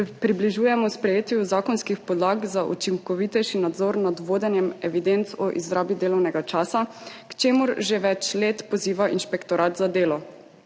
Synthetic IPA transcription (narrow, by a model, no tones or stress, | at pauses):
pɾibliʒuːjɛmɔspɾɛjeːt̪juzaːkɔnskixpɔd̪laːɡzaʔṵt͡ʃiŋkɔʋit̪ɛjʃinad̪zɔːɾnad̪ʋoːd̪ɛnjɛmɛʋid̪ent̪sɔʔizɾaːbid̪eːlɔwnɛɡat͡ʃaːsakt͡ʃeːmʊɾʒeʋɛt͡ʃleːt̪pɔziːʋaʔinʃpɛkt̪ɔɾaːt̪zad̪eːlɔ